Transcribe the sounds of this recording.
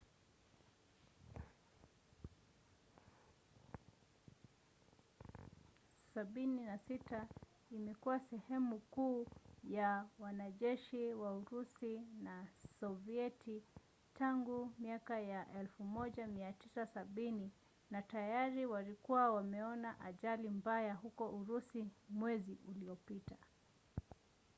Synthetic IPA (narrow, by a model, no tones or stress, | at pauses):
saɓininasita | imɛkuwasɛhɛmukuːjawanaʄɛʃiwauɾusinasɔviɛtʰi | taŋɡumiakajaʔɛlfumɔʄamiatisasaɓini | natajaɾiwalikuwawamɛɔnaʔaʄalimbajahukɔʔuɾusimwɛziʔuliɔpita